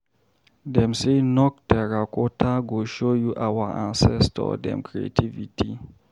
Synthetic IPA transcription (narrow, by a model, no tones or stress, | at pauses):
dɛ̃msenɔk̚tɛɾakɔtʰaɡoʃojuʔawaʔã̰nsɛstɔ̰dɛ̰̃mkʰɹiḛtʰivitʰi